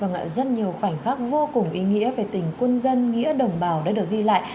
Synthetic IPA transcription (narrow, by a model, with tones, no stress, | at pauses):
vaː˨˩ŋa̰ː˧˨zə˦˥t̚ɲi˨˩əwxwa˧˩jŋ̟xaː˦˥k̚vo˧kʊ˨˩ŋ͡mʔi˨˦ŋḭ˧˥əve˨˩t̪ï˨˩ŋ̟kwə˧nzə˧nŋḭ˧˥əɗə˨˩wŋ͡mɓaː˨˩wɗa̰ː˧˥ɗɨ˨˩ək̚ɣi˧la̰ː˧˨j